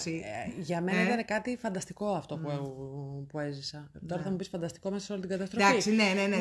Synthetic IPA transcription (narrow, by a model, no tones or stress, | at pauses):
siʝɐme̞nɐðeinekɐt̪ifɐnd̪ɐst̪i̥ko̞ɐft̪o̞puepue̞zisɐt̪o̞ɾɐθɐmupisfɐnd̪ɐst̪i̥ko̞me̞sɐsolit̪iɡɐt̪ɐst̪ɾfisnenene